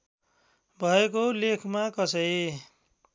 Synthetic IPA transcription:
bʱʌekolekʰmakʌsʌe

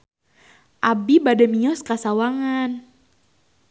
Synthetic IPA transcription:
ʔabibadɛmiɔskasawaŋan

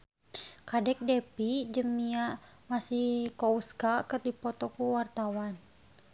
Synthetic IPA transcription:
kadɛk̚dɛpid͡ʒəmiaʔ | masihkɔuskakərdipɔt̪ɔkuwart̪awan

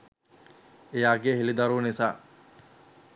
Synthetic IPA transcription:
ejaːɡeɦilid̪ɐɾuːnisa̰ː

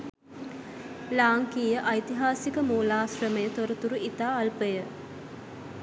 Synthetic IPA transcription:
laːŋkiːjəʔajt̪iɦaːsikəmoːlaːsrəməjət̪oɾət̪uɾuʔit̪aːlpəjə

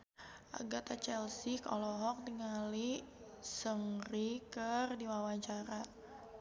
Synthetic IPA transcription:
ʔa̰ɡat̪at͡ʃɛlsikɔ̰lɔɦɔk̚diŋali | səŋrikərdiwawaɲt͡ʃaɾa

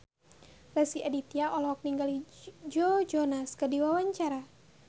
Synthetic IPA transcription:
rɛsiadit̪iaʔɔlɔɔk̚niŋɡalid͡ʒɔd͡ʒɔnaskədiwawaɲt͡ʃaɾa

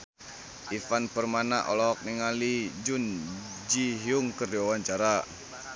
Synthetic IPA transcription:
ʔifanpərmanaʔɔ̰lɔːk̚niŋalid͡ʒun | d͡ʒiɦiuŋkərdiawaɲt͡ʃaɾa

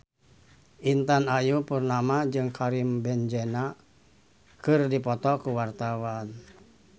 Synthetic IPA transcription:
ʔint̪anajupurnamad͡ʒɨŋkʰaɾimbɛnd͡ʒɛna | kɨrdipɔt̪ɔkuwart̪awan

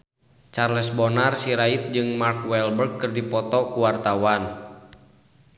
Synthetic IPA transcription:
t͡ʃarlɛsbɔnarsiɾait̪̚d͡ʒɨŋmarkwɛlbərk̚kɨrdipɔt̪ɔkuwart̪awan

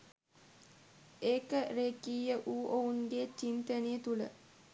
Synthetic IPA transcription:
eːkəɾeːkiːjəʔuːʔounɡet͡ʃint̪əneət̪ulə

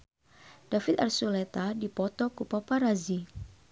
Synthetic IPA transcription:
d̥afit̪arsulet̪adipɔt̪ɔkupapaɾazi

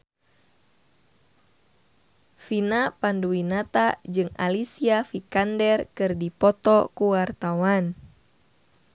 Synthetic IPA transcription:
finapanduwinat̪ad͡ʒɨŋa̰lisiafikandɛrkɨrdipɔt̪ɔkuwart̪awan

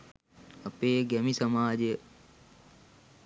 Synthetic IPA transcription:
ɐpeːɡɛmisɐmaːd͡ʑe

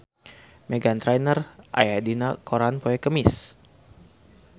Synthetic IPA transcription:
mɛɡant̪ɾajnərʔa̰jadinakoɾanpoɛkəmɪs

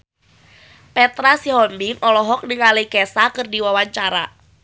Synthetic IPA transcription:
pɛt̪ɾasiɦɔnbiŋʔɔlɔɦɔk̚nɪŋalekɛsakərdiwawaɲt͡ʃaɾa̰

